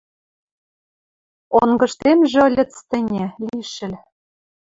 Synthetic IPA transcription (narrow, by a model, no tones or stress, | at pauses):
oŋɡɤ̆ʃt̪emʒĕɤlʲɘ̆t͡st̪ɘ̆nʲĕlʲiʃɘ̆lʲ